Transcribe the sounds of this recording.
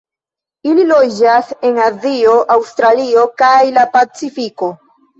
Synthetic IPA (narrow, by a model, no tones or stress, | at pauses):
ililo̞d͡ʒase̞ŋazio̞ʔawstɾalio̞kajlapat͡sifiko̞